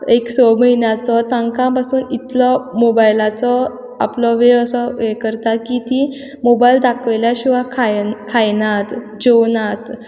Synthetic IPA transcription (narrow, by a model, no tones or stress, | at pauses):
eksɔməɦinjãt͡sɔt̪ãŋkãpasuːnit̪lɔmobajlat͡sɔ | a̰plɔʋeɾəsɔekəɾt̪akit̪i | mobajld̪akʰəjljaɕiʋakʰakʰajnat̪ | d͡ʑɔwnat̪